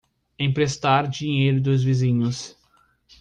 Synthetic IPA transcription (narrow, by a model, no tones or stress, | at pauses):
ẽj̃pɾest̪aɾd͡ʒiɲejɾʊd̪ʊzvizĩɲʊs